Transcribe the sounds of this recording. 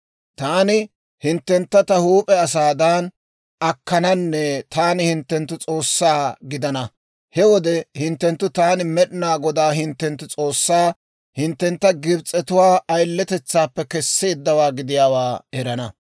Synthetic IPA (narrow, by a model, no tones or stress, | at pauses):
t̪aːnɪ | hɪnt̪ːɛnt̪ːɐt̪ɐhuːpʼɛɐs̬aːd̪an | ɐkːɐnɐnːɛt̪aːnɪhɪnt̪ːɛnt̪ːʊt͡sʼo̞ːsːaːɡɪd̪ɐnɐ | hɛwɔd̪ɛhɪnt̪ːɛnt̪ːʊt̪aːnɪmɛɗnaːɡɔd̪aːhɪnt̪ːɛnt̪ːʊt͡sʼo̞ːsːaː | hɪnt̪ːɛnt̪ːɐɡɪbt͡sʼːɛt̪ʊwaːʔɐjlːɛt̪ɛt͡sːaːpːɛkɛsːeːd̪ːɐwaːɡɪd̪ɪjaːwaːɛɾɐnɐ